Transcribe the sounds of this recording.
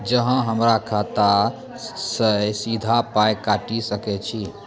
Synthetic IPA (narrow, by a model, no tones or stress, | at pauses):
d͡ʒəɦə̃ɦəmɾakʰat̪a | səsid̪ʱapajkaʈisəkɛt͡ʃʰi